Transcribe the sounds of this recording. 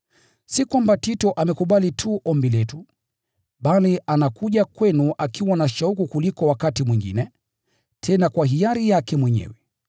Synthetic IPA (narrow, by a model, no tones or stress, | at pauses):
sikwambatitɔʔamɛkuɓalitʰuʔɔmbilɛtu | ɓaliʔanakuʄakwɛnuʔakiwanaʃaukukulikɔwakatimwiŋɡḭnɛ | tʰɛnakwahijaɾijakɛmwɛɲɛ̰wɛ